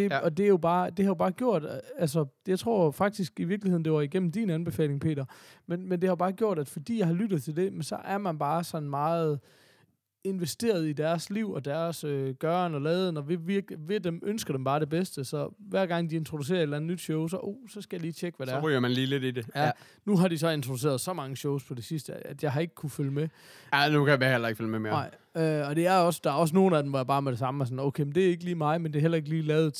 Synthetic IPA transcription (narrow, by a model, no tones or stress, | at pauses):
d̥e̝ɒ̽d̥e̝æjo̝b̥ɑ̈ːd̥e̝hɑ̈jo̝b̥ɑ̈ːɡ̥jo̝ɐ̰d̥ælsɐjɑ̈ɪt͡sʰʁo̝ɐ̰fɑ̈ɡ̥̚d̥isɡ̥iʋiɐɡ̥liheð̰ˠn̩d̥e̝ʋɑiɡ̥em̰m̩d̥inænb̥e̝fɛ̰ːle̝ŋpʰe̝̰ːɾɐmenmend̥e̝hɑjo̝bɑ̈ːɡ̥jo̝ɐ̰d̥æd̥fɒ̽d̥ḭːjɑ̈ɪhɑ̈lyd̥ð̩ˠt͡sʰeld̥e̝mensɒ̽ʔæɐmænb̥ɑ̈ːsɒ̽nmɑ̈ːð̩ˠ | e̝nʋesd̥e̝̰ːɐð̞̩ˠid̥æɐsliʊ̰ɒ̽d̥æɐsøɡ̥ɶːɐnɒ̽lɛːðˠənɒ̽ʋe̝ʋiɐɡ̥iʋe̝d̥emʔønsɡ̥ɐd̥emb̥ɑ̈ːɾe̝b̥esd̥əsɒ̽ʋæɐ̰ɡ̥ɑ̈ŋ̰d̥ie̝nt͡sʰʁo̝d̥us̬e̝̰ːɐed̥læn̩ːˠnyd̥ɕɔʊsɒ̽ʔoʊsɒ̽sɡ̥æjɑ̈liːt͡ɕʰeɡ̥əʋæɾ̥æɐ̥yɐmænliːle̝d̥id̥ejæ | nuɦɑ̈ɾ̥isɒ̽e̝nt͡sʰʁoduse̝̰ːɐðˠsɒ̽mɑ̈ŋəɕɔʊspʰɒ̽d̥e̝sisd̥əæd̥jɑ̈ɪɦɑ̈e̝ɡ̥ə̥kʰuføləme | ænukʰæjæhel̰ɐeɡ̥fylmemḛɐɑ̈ɪ̰ | øɒ̽d̥e̝æɐɒ̽sd̥ɑ̈æɐɒ̽s̬no̝ːn̩æd̥emʋɒjäbɑ̈ːmedɾe̝sɑ̈məæs̬ɒ̽n̩oʊkʰeɪmend̥e̝æɐe̝ɡ̥əliːmɑ̈ɪmend̥e̝ɐɦel̰ɐe̝ɡ̥liːlɛːʊð̩ˠ